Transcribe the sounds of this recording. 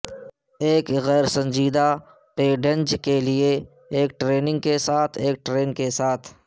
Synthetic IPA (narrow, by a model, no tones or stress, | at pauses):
eːkɣɛːɾsə̃ɲd͡ʒiːd̪a | peːɖə̃nd͡ʒkelɪe | eːk̚ʈɾeːnɪ̃ŋɡ̚kesaːt̪ʰeːk̚ʈɾeːnkesaːt̪ʰ